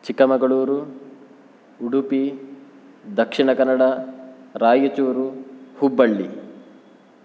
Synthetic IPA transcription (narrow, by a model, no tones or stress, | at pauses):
t͡ʃikɐmɐɡɐɭuːɾu | uɽupi | d̪ɐkʂiɳɐkɐnːɐɽɐɾaːjut͡ʃuːɾuhubːɐɭːi